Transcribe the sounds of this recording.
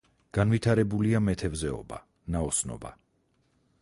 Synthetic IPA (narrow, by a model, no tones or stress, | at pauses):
ɡ̥anvit̪ʰaɾɛbuliamɛt̪ʰɛvzɛɔ̰ba̰ | naɔsnɔ̰ba̰